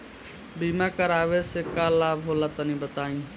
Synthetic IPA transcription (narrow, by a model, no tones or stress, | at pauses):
biːmãːkəɾaːʋesekaːlaːbɦoːlaːt̪ənĩbət̪aːĩː